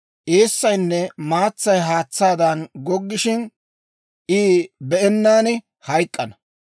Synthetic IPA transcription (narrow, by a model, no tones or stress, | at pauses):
ʔeːsːɐjnːɛmaːt͡sːɐjɦaːt͡sːaːd̪ɐnɡɔɡːɪʃɪn | ʔiːbɛʔɛnːaːnɪ | hɐjkʼːɐnɐ̥